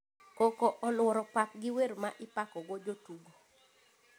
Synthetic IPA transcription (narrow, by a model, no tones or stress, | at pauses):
kokɔʔɔlwɔɾɔpap̚ɡɪwermaʔɪpakɔɡod͡ʒotuɡo